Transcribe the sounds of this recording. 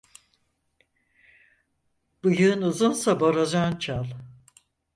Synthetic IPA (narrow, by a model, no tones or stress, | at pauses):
b̥ɯjɯːnuzunsabaɾad͡ʒant͡ʃʰalˠ